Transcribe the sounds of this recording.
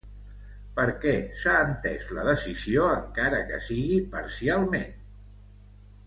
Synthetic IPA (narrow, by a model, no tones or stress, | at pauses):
pəɾkɛsaːnt̪ɛsləðəsizioəŋkaɾəkə̰siɣipəɾsialˠmen